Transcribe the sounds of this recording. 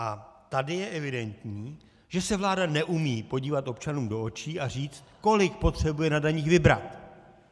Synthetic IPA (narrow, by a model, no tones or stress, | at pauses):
ʔat̪adɪjɛʔɛvɪdɛnt̪ɲiː | ʒɛsɛvlaːdanɛʔumiːpo̞ɟiːvat̪ʔo̞pt͡ʃanuːmdo̞ʔot͡ʃiːʔar̝iːt͡st̪ko̞lɪk̚po̞t̪r̝̥ɛbujɛnadaɲiːxvɪbɾa̰t̪